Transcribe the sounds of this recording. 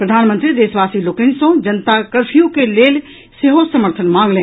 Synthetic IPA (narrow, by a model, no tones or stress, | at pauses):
pɾəd̪ʱaːnmə̃nt̪ɾid̪eːsʋasilokənsə̃d͡ʒənt̪akəɾpʰijõkeleːl | seɦosəməɾt̪ʰənmãːŋɡlẽː